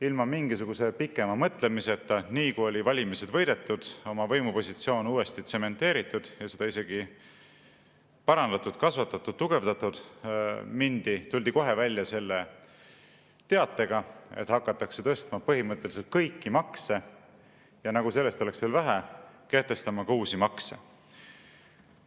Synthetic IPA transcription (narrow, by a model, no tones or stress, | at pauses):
ilmɑmiŋɡisuɡ̥use̞pikːˑe̞mɑmɤt̪ˑle̞miset̪ːˑɑniːkujo̞lʲivɑlʲimise̞d̪̥vɤ̞jd̪e̞t̪ːˑud̪̥o̞mɑvɤjmupo̞sʲit̪sio̞ːnuːe̞st̪it̪se̞me̞nt̪ːˑe̞ːɾit̪ːˑud̪̥jɑse̞d̪ɑise̞ɡ̥i | pɑɾɑnd̪̥ɑt̪ːˑud̪kɑsvɑt̪ːˑɑt̪ːud̪̥̚t̪ːuɡ̥e̞vd̪ɑt̪ˑud̪̥ | mind̪̥it̪ulʲd̪iko̞ɦe̞vælʲːjɑse̞lːe | t̪e̞ɑt̪ːˑe̞ɡ̥ɑḛt̪hɑkːˑɑt̪ːˑɑkse̞t̪ɤst̪mɑpɤɦimɤt̪ˑːe̞lis̬elt̪̚kɤjkːimɑkse̞ | jɑnɑɡ̥use̞lːe̞st̪o̞le̞ksve̞lvæɦæke̞ht̪e̞st̪ɑmɑkɑuːsimɑksḛ